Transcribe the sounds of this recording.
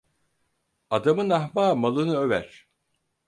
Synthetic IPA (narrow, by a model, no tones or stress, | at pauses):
ad̪amɯnahmaːmalˠɯnɯøvæ̰ɾ̥